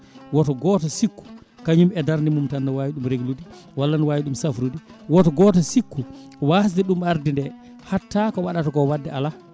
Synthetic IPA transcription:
wɔtɔɡɔtɔsikːu̥ | kaɲumɛdaɾnimumtanːawaːjiɗumɾeɡludi | walːanwajiɗumsafɾudiwɔtɔɡɔtɔsikːu | was̬dɛɗumaɾdindɛ | hatːakɔwaɗatɔkɔwadːɛala

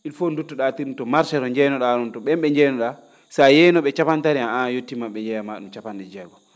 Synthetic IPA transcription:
ilfondutːɔɗatiɾntɔmaɾsɛɾɔɲd͡ʒɛnɔɗaɾɔntɔɓɛmɓɛɲd͡ʒɛnɔɗa | sajɛnɔɓɛt͡ʃapantaɾiaajotːimaɓɛɲd͡ʒɛjamaɗumt͡ʃapanɗɛd͡ʒɛɡɔ

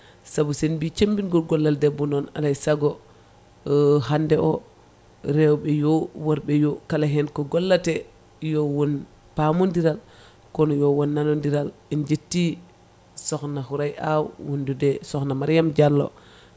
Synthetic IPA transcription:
sabusɛnbit͡ʃembinɡɔlɡɔlːaldɛbunɔna̰lajsaɡɔ | ɦandɛɔ | ɾɛwbɛjɔwaɾbɛjɔkalaɦɛnkɔɡɔlːatɛ | jɔwɔn | pamundiɾal | kɔnɔjɔwɔnːanɔndiɾalɛnd͡ʒetːi | sɔxnaɦuɾajʔawwundudɛsɔxnamaɾjamd͡ʒalːɔ̰

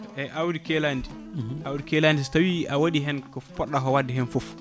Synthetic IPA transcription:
ɛʔawudikɛlandi | ʔawdikɛlandistawiʔawoɗiɦɛnkɔpɔɗːaɦɔwadːɛɦɛnfof

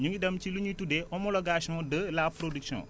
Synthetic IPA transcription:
ɲuŋɡidɐmciluɲitudɛʔɔmɔlɔɡaːsiɔ̃dəlaːpɾodiksɔ̰̃

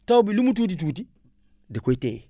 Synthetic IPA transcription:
tawbilumut̬uːt̬it̬uːt̬i | dekote

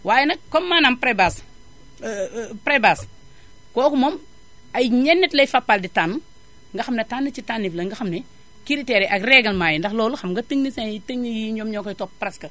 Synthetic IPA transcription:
waːjɛnɐkɔmːaːnampɾebas | pɾebas | kɔːkumom | ajɲɛnːitlɐjfapːalditan | ŋɡɐxɐmnetanːɐt͡ʃitanːiflɐŋɡɐxɐmne | kiɾitɛɾɛʔaɡrɛɡɐlmaːjindɐxlɔːluxɐmŋɡɐtəŋnisẽjitəŋnijiɲomɲɔkɐtɔppɾeskɐ

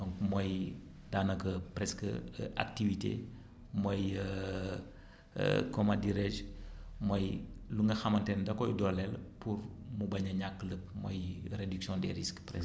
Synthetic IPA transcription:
dɔŋkmɔj | daːnɐkəpɾɛskəʔa̰k̚tivitḛ | mɔj | kɔmadiɾɛd͡ʒmɔjluŋɡɐxɐmɐntɛndɐkɔjdɔlɛlpurmubɐɲɐɲakːələp̚mɔ̰jredyksjɔ̃ndɛ̰ɾiskpɾɛ̰s

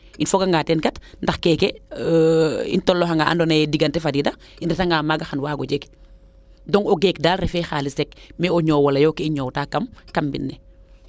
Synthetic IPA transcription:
infɔɡaŋɡaːtɛnkɐtndɐxkɛːkɛ | ḭntɔlːɔxaŋɡaʔa̰ndɔnɐjɛdiɡɐntɛfadida | inɾɛtaŋɡaːmaːɡaxanwaːɡɔɟɛk | dɔŋɔɡɛːkdaːlrɛfɛxaːlisɛk̚mɛɔɲɔːwɐlɐjɔkɛiɲɔːwtaːkːɐmkɐmbḭnːɛ

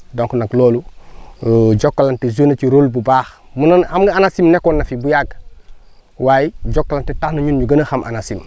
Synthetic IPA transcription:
doŋkonakloːlu | ɟokːalantezuneciɾolbubaːxmunɐnamɡɐanasimnekːoːnːɐfibujaɡ | waːjiɟokːalantetaxnɐɲunɲuɡɐnəxamʔa̰nasim

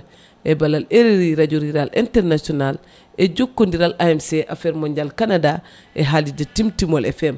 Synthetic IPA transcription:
ʔebalaleɾeɾiɾaɟoɾiɾalʔḛntɛɾnasɔnal | eɟokːondiɾalʔaemseʔafɛɾmoɲɟalkanada | ʔeɦalidatimtimolʔefɛm

